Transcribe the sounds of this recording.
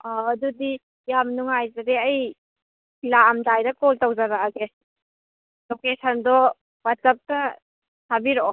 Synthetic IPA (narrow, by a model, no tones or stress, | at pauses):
aːdudi | jamnuŋajzadeɐj | laːmtajɾɐkoltawzaɾaɡe | lokesʰɐndɔ | bat͡ʃap̚ta | sʰabiɾɔ